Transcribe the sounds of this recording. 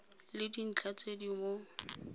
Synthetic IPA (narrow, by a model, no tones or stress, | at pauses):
lɪdin̩t͡ɬʰat͡sʰʼedimo